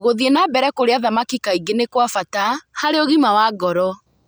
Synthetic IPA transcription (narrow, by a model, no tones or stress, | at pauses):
ɣoðienabɛɾɛkoɾeaðamakikaiɡenekwafatahaɾeoɣimawaːɡɔɾɔ